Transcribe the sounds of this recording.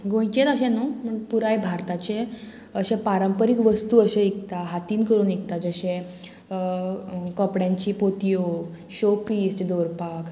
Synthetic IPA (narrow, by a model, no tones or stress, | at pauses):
ɡõjt͡ɕet̪əɕɛ̃nom̤əɳpuɾajbʱaɾt̪at͡ɕẽ | əɕɛ̃paɾəmpəɾikʋəst̪uːəɕẽikt̪aɦat̪iːnkəɾuːnik̚t̪ad͡zəɕẽ | kɔpɽjãɲt͡ɕiːpot̪ijo | ɕopiːst͡ɕed̪oɾpak